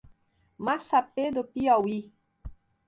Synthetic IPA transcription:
masaped̪opiɔwi

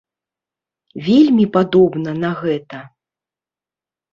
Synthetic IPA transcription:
vʲelʲmʲipad̪ɔbnɐnɐɣɛt̪ɐ

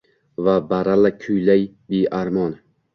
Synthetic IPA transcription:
vabaɾalakʲʰʊjlaj | beʔaɾmɒn

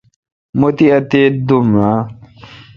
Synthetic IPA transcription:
mot̪iɐt̪eːd̪umɾaː

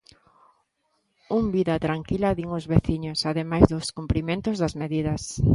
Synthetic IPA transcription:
umbiðɐt̪ɾaŋkilɐðiŋʊzβeθiɲʊsaðemajzðʊskumpɾimẽnt̪ʊzðɐzmeðiðɐs

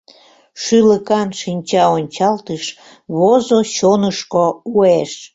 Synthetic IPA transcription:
ʃyləkɑnʃinʲt͡ɕɑonʲt͡ɕɑlt̪əʃ | βozoɕonəʃkoueʃ

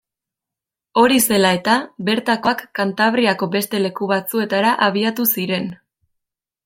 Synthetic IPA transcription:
o̞ɾise̞lae̞t̪abe̞ɾt̪ako̞akːant̪aβ̞ɾiako̞be̞st̪e̞le̞kuβat͡sue̞t̪aɾaʔaβ̞iat̪usiɾe̞n

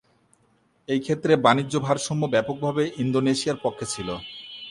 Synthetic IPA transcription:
ejkʰet̪ːɾebanid͡ʑːobʱaɾʃɔmːobɛpok̚bʱabeʔind̪oneʃiaɾpokʰːet͡ɕʰilo

